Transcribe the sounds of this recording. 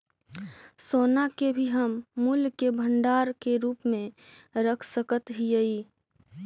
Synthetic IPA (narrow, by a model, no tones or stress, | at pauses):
soːnakebʱiɦəmːulkebʱəɳɖaːɾkeɾuːpmẽ | ɾəkʰsəkət̪ɦijəi